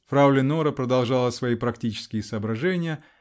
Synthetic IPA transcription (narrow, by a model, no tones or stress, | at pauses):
fɾaʊlʲɪnoɾəpɾəd̪ɐlˠʐɑlˠəsvɐipɾɐktʲit͡ɕɪ̥skʲɪjɪsəːbɾɐʐɛnʲɪjə